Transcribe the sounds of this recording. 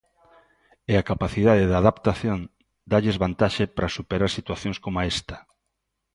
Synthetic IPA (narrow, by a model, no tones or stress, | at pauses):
ɪakapaθiðaðeðaðapt̪aθjon | d̪aʎezβant̪aʃɪpɾasupeɾaɾsit̪waθjõŋskomaɛst̪ɐ̥